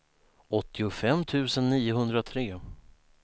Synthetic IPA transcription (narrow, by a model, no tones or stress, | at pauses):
ɔt̪ʰːɪʊfɛmːt̪ʰʉ̟ːsənːiːʊɦɵnd̪ɾat̪ʰɾeː